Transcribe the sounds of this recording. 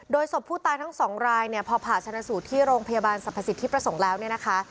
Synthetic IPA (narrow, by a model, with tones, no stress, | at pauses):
doː˧jso˨˩pʰːuː˥˩t̪aː˧jt̪ʰa˦˥ŋsɔː˩˦ŋɾaː˧jni˥˩əpʰɔː˧pʰaː˨˩t̪t͡ɕʰa˧na˧˥suː˨˩t̪ʰiː˥˩ɾoː˧ŋpʰa˧jaː˧baː˧nsa˨˩pʰːa˧si˨˩t̪ʰːiː˥˩pɾa˧so˩˦ŋlɛː˦˥wni˥˩ɐna˦˥kʰa˦˥